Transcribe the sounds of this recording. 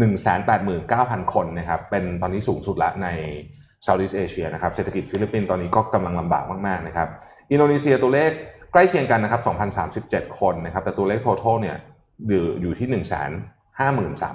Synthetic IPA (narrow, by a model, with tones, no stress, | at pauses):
nɯ˨˩ŋsɛ̰ː˩˦npɛː˨˩t̪̚mɯː˨˩nkaː˥˩wpʰa˧nkʰo˧nːa˥˩kʰa˦˥pːe˧nt̪ɔː˧nːiː˦˥suː˩˦ŋsu˨˩t̪̚la̰˦˥na˧j | sa˧˩wdiː˦˥˩t̪̚ʔeː˧t͡ɕʰi˧ɐna˦˥kʰa˦˥seː˨˩t̪ʰa˧ki˨˩t̪̚fi˦˥li˦˥pːiː˧nt̪ɔː˧nːiː˦˥kɔː˥˩ka˧mla˧ŋla˧mba̰ː˨˩k̚maː˥˩k̚maː˥˩k̚na˦˥kʰa˦˥p̚ | ʔi˧ndoː˧niː˧˥si˧ɐ˧t̪u˧ɐleː˥˩k̚ːla˥˩jkʰi˧əŋka˧nːa˦˥kʰa˦˥p̚sɔ˩˦ŋpʰa˧nsaː˩˦msi˨˩p̚t͡ɕe˨˩t̪̚kʰo˧nːa˦˥kʰa˦˥p̚t̪ɛː˨˩t̪u˧leː˥˩k̚t̪ʰoː˧t̪ʰoː˥˩ni˥˩ɐ | jɯː˨˩juː˨˩t̪ʰiː˥˩nɯ˨˩ŋsɛ̰ː˩˦n | haː˥˩mɯː˨˩nsa̰ː˩˦m